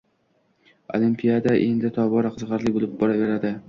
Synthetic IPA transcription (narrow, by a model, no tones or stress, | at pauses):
o̰limpʰijad̪aʔe̞nd̪ɪt̪ʰɒbɒɾaqʰɨzʁɑɾlɪbolˠɪp̚bɒɾave̞ɾad̪ɪ